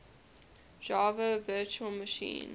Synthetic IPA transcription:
d͡ʒɑːvəvɜːˑt͡ʃuəlˠməʃḭ̃ːn

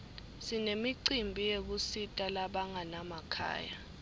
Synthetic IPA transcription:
sinemiǀimbʱijek̬usitʼalaɓaŋanamakʰa̰ːja̰

